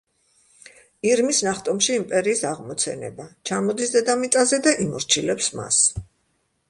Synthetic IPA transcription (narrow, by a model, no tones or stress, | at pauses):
iɾmisnaχt̪ʼɔmʃiːmpʼɛɾiːsaʁmɔt̪sʰɛ̰nɛ̰bat͡ʃʰamɔd̪isd̪ɛd̪amit̪sʼazɛd̪aʔimɔɾt͡ʃʰilɛpsma̰s